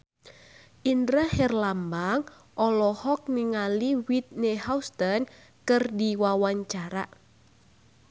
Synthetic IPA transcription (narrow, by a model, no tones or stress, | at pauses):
ʔinɾəhɛrlambaŋ | ʔɔlɔhɔk̚niŋaliwit̪̚nehawst̪ən | kɨrdiwawaɲt͡ʃaɾa̰ʔ